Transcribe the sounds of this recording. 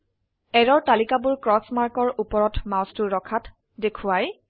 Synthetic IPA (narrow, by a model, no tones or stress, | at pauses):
ɛɹɔɹtalikabuɹkɹɔsmaɹkɔɹʔupɔɹɔtmawstuɹɔkʰat | dekʰʊaj